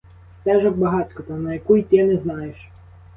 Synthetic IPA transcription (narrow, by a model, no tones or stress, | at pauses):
st̪ɛʐɔk̚bɐɦasʲkɔt̪anɐjɐkujt̪ɪjɛnɛznajɛʃ